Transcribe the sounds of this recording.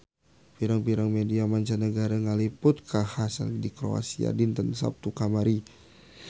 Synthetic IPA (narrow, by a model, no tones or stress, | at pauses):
piɾaŋpiɾaŋmediamaɲt͡ʃanəɡaɾaŋalipʊt̪̚kʰahasa̰ldikɾo̰a̰sia̰dint̪ənsa̰p̚t̪ukamaɾi